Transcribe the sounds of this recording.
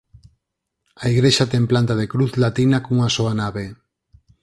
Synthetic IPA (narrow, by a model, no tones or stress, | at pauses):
aiɣɾeʃat̪ɛŋplant̪aðekɾuθlat̪inakoŋasoanaβe